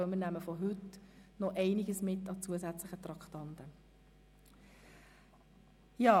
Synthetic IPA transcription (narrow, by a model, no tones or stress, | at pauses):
œmɪənæməfɔɦɵtnɔʔɛɪnɪɡəsmɪtːɑt͡suəsæt͡sləχət̪ɾɑkχtɑntə | jɑː